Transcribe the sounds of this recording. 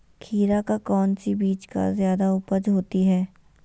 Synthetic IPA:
kʰiːɾakakɔːnsibiːt͡ʃka̰zjaːd̪aʊpəd͡ʒɦoːt̪iɦɛː

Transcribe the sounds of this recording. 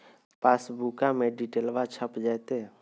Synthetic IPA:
paːsbuːkamẽɖiʈeːlʋat͡ʃʰəpd͡ʒaːt̪e

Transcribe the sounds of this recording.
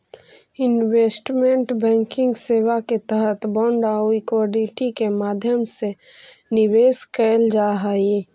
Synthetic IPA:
ɪnweːsʈmẽɳʈbɛ̃ːŋkɪ̃ŋɡseːwaket̪əɦət̪bɔ̃ːɳɖaːikwɔːɖiʈikemaːd̪ʱjəmse | nɪweːskəld͡ʒaɦai

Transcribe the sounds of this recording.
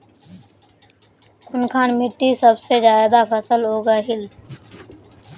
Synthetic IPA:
kʰʊnkʰaːnmɪʈːisəbsed͡ʒaːed̪apʰəsəlɦoːɡaːɦɪl

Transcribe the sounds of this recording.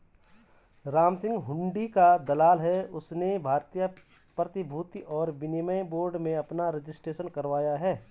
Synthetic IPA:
ɾaːmsɪ̃ŋɡɦʊ̃ɳɖikad̪ɐlaːlɦɛʊsnebʱaːɾt̪ijə | pɾət̪ɪbʱuːt̪iɔːɾʋɪnɪməboːɾɖmẽɐpnaɾɪd͡ʒɪsʈɾeːʃənkɐɾʋaːjaɦɛː

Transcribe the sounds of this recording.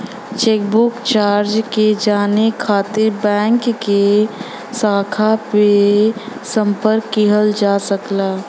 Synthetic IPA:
t͡ʃeːk̚bʊkt͡ʃaːɾd͡ʒked͡ʒaːnekʰaːt̪ɪɾbɛ̃ːŋkːe | saːkʰape | sə̃mpəɾkːiɦəld͡ʒaːsəklaː

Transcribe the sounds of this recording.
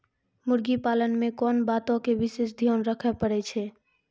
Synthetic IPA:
muɾɡipalənmekɔnbat̪õkebisesd̪ʱijonɾəkʰɛpəɽɛt͡ʃʰɛ

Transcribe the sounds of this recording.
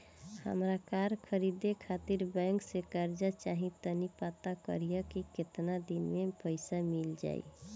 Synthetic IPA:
hə̰mɾakaɾkʰəɾid̪ekʰat̪iɾbɛ̃ŋksekəɾd͡ʒat͡ʃaɦĩt̪ənipat̪akə̰ɾijəkiket̪nad̪inmepəɪsamild͡ʒa̰j̰

